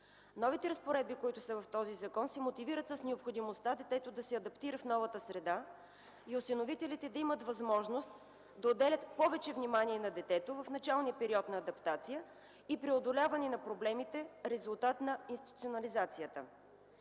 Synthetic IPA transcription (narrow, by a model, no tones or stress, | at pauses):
nɔvit̪ɛɾɐspoɾɛd̪̚bikoit̪ʊsɐvɐft̪ɔzizɐkɔnsimot̪iviɾət̪səsnɛopxod̪imost̪ad̪ɛt̪ɛt̪od̪ɐsɛɐd̪ɐpt̪iɾəfnɔvɐt̪əsɾɛd̪a | iʊsinovit̪ɛlit̪ɛd̪ɐimət̪vɐzmɔʒnost̪ | d̪ɐod̪ɛlʲət̪pɔvɛt͡ʃɛvnimaniɛnɐd̪ɛt̪ɛt̪ovɐfnɐt͡ʃalˠnijəpɛɾiɔt̪nɐːd̪ɐpt̪at̪sijə | ipɾiod̪olʲavɐnɛnɐpɾoblɛmit̪ɛɾɛzulˠt̪at̪nɐinst̪it̪ut̪sionɐlizat̪sijət̪ə̰